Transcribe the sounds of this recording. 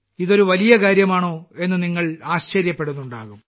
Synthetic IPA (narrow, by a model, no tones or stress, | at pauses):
iðo̞ɾuʋɐlijɐkaːɾjɐmaːɳo̞ːe̞nːɨniŋːɐɭaːɕt͡ɕɐɾjɐpːe̞ɽunːuɳɖa̰ːɣum